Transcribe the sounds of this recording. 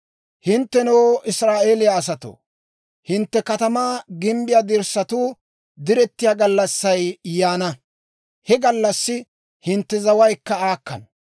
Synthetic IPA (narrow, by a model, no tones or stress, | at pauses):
hɪnt̪ːɛnɔwʔɪsɾaːʔeːlɪjaːs̬ɐt̪o̰ː | hɪnt̪ːɛkɐt̪ɐmaːɡɪmbɪjaːd̪ɪɾsːɐt̪uː | d̪ɪɾɛt̪ːɪjaːɡɐlːɐsːɐjjaːnɐ | hɛɡɐlːɐsːɪ | hɪnt̪ːɛzɐwɐjkːɐaːkːɐ̰n